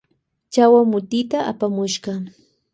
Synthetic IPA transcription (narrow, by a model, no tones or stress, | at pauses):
t͡ʃawamʊt̪ɪt̪aʔa̰pamʊʃɢɑ